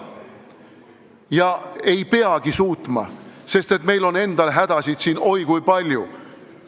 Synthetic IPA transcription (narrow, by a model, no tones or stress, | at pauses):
jɑe̞jpe̞ɑɡ̥isuːt̪mɑ̰se̞st̪e̞t̪me̞jlo̞ne̞nd̪̥ɑlɦæd̪̥ɑsʲid̪̥siːno̞jkujpɑlʲju